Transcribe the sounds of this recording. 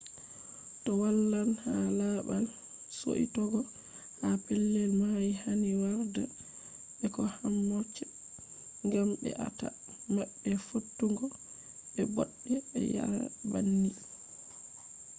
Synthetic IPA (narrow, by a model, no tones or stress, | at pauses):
tɔwalːanhalabal | so̰ʔḭtɔɡɔ | hapɛlːɛlmajihaniwaɾda | ɓɛkɔhamːɔt͡ʃːɛ | ŋɡambɛ̰ʔa̰ta̰ | maɓːɛfotːuŋɡɔ | ɓɛbɔɗːɛɛ̰ja̰banːi